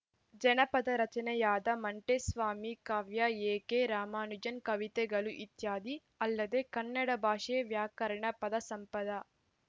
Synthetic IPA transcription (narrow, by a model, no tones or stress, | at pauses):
d͡ʒɛnɐpɐd̪ɐɾɐt͡ʃɐnɐjaːd̪ɐmɐɳʈesʋaːmikaːʋjɐeːkeːɾaːmaːnud͡ʒɐnkɐʋit̪eɡɐluʔit̪jaːd̪i | ɐlːɐd̪eːkɐnːɐɽɐbʱaːʂeːʋjaːkɐɾɐɳɐpɐd̪ɐsɐmpɐd̪ɐ